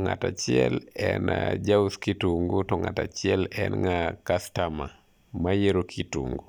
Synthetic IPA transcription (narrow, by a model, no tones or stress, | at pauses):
ŋatat͡ʃɪɛlɛnad͡ʒauskituŋɡutɔŋatat͡ʃɪɛlɛ̰nŋakastama | majeɾokʰitṵŋɡu